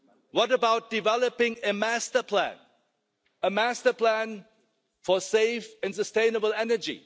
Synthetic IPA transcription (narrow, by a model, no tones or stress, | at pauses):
wʌɾəbaʊt̚d̥ɪvɛləpɪ̃ŋɨmæstə˞pʰlæ̰̃n | əmæstə˞pʰlæ̃n | fɔseɪfɨ̃ns̬əstẽɪ̃nəbəl̩ˠɛnə˞d͡ʒḭ